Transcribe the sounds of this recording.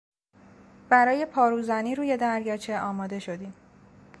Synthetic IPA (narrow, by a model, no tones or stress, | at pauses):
b̥æɾɒːje̞pʰɒːɾuːzæniːɾuːje̞d̪æɾjɒːt͡ʃʰe̞ɒːmɒːd̪e̞ʃo̞d̪iːm